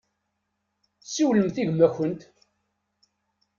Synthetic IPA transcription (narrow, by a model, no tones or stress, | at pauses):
siwləmθiʝmæçənt̪